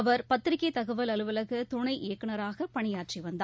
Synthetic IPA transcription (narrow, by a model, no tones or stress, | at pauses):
ɐʋɐɾpɐt̪ːɪɾɪkːɐɪt̪ɐɣɐʋɐlɐlɯʋɐlɐɣɯt̪ʊɳɐɪʔɪjɐkːɐɳɐɾaːɣɐpɐɳɪjaːʈʂiʋɐnd̪a